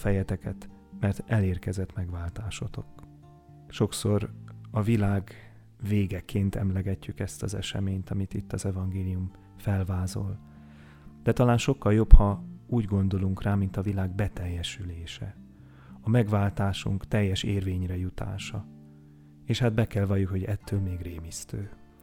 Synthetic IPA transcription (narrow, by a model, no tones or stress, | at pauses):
fɛjɛt̪ɛkɛt̪ | mɛrt̪ɛleːrkɛzɛt̪mɛɡvaːlt̪aːʃot̪o̞k | ʃo̞kso̞rɒvilaːɡ | veːɡɛkʰeːnt̪ɛ̰mlɛɡɛcːykɛst̪ɒzɛ̰ʃɛ̰meːɲt̪ɒmit̪it̪ːɒzɛvɒŋɡeːlijum | fɛlvaːzo̞l | d̪̥ɛt̪ɒlaːnʃo̞kːɒljo̞phɒuːɟɡo̞nd̪o̞luŋkraːmint̪ɒvilaːɡbɛt̪ɛjːɛʃyleːʃɛ | ɒmɛɡvaːlt̪aːʃṵŋkt̪ɛjːɛʃeːrveːɲrɛjut̪a̰ːʃɒ | eːʃhad̪̚bɛkɛlvɒjukho̞ɟɛt̪ʰːøːlmeːɡreːmist̪øː